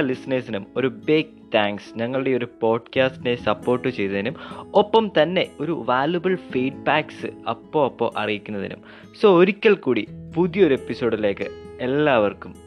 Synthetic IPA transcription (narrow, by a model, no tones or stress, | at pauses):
ɐlisneːsinumo̞ɾubeːkt̪ʰaːŋksɲɐŋːɐɭuɽe̞oɾupo̞ːɖkaːstine̞sɐpːo̞ːrʈːɨt͡ɕe̞jt̪ːɐðinumopːɐmt̪ɐnːe̞o̞ɾuʋaːljubɐɭfiːɖbaːksɨɐpːo̞ːɐpːo̞̰ːʔɐ̰rijikʲːunːɐðḭnṵm | so̞ːoɾikʲːɐɭkuːɽipuðijɐo̞ɾue̞pːiso̞ːɽile̞ːkːɨe̞lːaːʋɐrkum